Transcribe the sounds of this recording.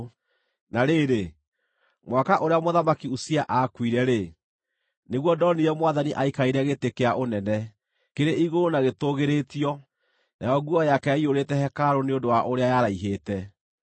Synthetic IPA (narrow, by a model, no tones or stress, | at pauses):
naɾeːɾe | mwakaʔoɾeamoðamakiusiaʔakwiɾɛɾe | neɣwɔdɔniɾɛmwaðaniʔaikaiɾɛɣetekeaʔonɛnɛ | keɾeʔiɣoɾonaɣetoɣeɾetiɔ | najɔɡuɔjakɛaioɾetɛhɛkaɾoneondowaʔoɾeajaɾaiɦeːtɛ